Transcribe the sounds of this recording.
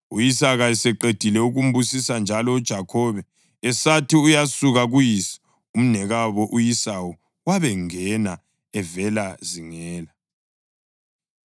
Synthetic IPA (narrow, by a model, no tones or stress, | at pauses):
ujisaɣaɛsɛǃed̥ʱilɛuɣum̩busisand͡ʒʱalɔud̥ʒ̥ʱakʰɔβɛ | ɛsatʰiujasuɣaɣujisi̥ | um̩nɛɣaβɔʔujisawu | waβɛŋɛna | ɛvɛlaziŋɛːla